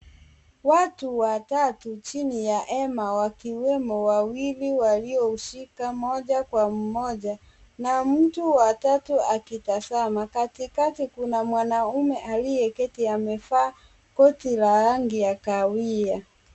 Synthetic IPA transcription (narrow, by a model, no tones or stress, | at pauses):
watuwatatut͡ʃinijaʔɛmawakiwɛmɔwawiliwaliɔuʃikamɔʄakwam̩mɔd͡ʒa | nam̩tuwatatuakitasamakatikatikunamwanaumɛʔalijɛkɛtiamɛfaː | kɔtilaɾaŋɡijakawia